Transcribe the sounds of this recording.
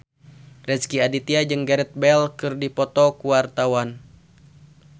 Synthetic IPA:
rɛskiadit̪iad͡ʒɨŋɡɛɾɛt̪̚bɛlkɨrdipɔt̪ɔkuwart̪awan

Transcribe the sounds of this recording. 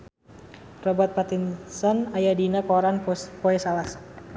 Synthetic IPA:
rɔbat̪̚pat̪insɔnajadinakɔɾanpoɛsalas

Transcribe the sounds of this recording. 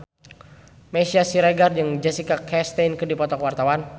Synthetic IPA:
mesiasiɾaɡard͡ʒɨŋd͡ʒasikakʰɛst̪ejnkɨrdipɔt̪ɔkwart̪awan

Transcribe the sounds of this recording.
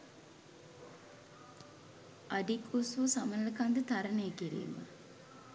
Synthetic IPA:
ʔɐɖikusuːsamɐnlɐkand̪ət̪ɐɾɐnejkiɾḭːma̰

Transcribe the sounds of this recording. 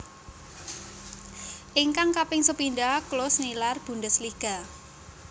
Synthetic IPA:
ʔiŋkaŋkapɪŋsəpindaklosnilarb̥ṳndəsliɡ̥a

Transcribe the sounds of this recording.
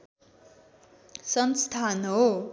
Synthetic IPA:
sʌnst̪ʰanɦo

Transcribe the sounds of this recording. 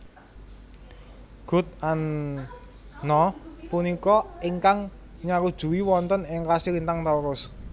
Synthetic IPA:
ɡ̥ʊ̤t̪̚an | nɔpunikɔiŋkaŋ | ɲaɾud̥ʒ̥ṳwiwɔnt̪ɔnɪŋkasiɾint̪aŋt̪awɾʊs

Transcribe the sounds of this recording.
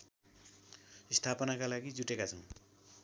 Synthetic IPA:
st̪ʰapʌnakalaɡid͡zuʈekat͡sʰʌw̃

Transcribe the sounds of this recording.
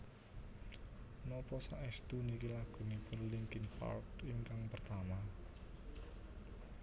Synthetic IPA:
nɔpɔsaʔɛst̪unikilaɡ̥ṳnipʊnliŋkinpa̰rkiŋkaŋpərt̪ama

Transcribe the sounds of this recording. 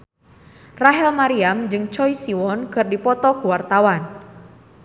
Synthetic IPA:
raɦɛlmaɾiamd͡ʒɨŋt͡ʃɔjsiwɔnkɨrdipɔt̪ɔkuwart̪awan

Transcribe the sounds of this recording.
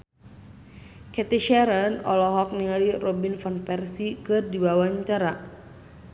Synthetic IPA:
kɛt̪iʃɛɾanɔ̰lɔɦɔk̚niŋalirɔbinfɔnpɛrsikɨrdibawaɲt͡ʃaɾa

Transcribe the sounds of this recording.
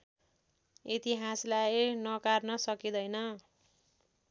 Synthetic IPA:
it̪iɦaslajnʌkarnʌsʌkid̪ʌjnʌ

